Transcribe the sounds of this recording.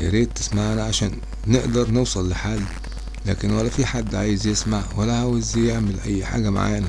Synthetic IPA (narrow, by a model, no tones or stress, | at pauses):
ʔɾeːd̪̚t̪ɪ̥smaʕnæʕaʃæːnː | eʔd̪ɑɾˤnewsˤɑlːɪħaːlː | læ̰ːkɪnwælːæfiħad̪ːʕaːjɪzjesmaʕwælːæhæwɪzjeʕmɪlʔæjːħa̰ːɡæma̰ʕa̰jnæ